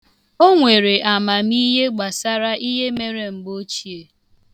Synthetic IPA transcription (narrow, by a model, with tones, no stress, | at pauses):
o˦ŋʷe˨ɾe˨ʔa˨ma˨mi˦ɦe˦ɡ͡ba˨sa˦ɾa˦ʔi˦ɦe˦me˦ɾe˨ŋ͡m̩˨ɡ͡bo˦t͡ʃi˦e˨